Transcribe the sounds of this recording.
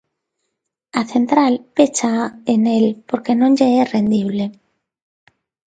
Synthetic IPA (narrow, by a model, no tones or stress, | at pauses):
aθent̪ɾalpet͡ʃaenelpoɾkenõŋd͡ʒeɛrend̪iβle